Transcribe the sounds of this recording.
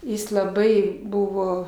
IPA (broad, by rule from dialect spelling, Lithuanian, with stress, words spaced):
ˈjɪs lˠɐˈbɐɪ ˈbʊʋoː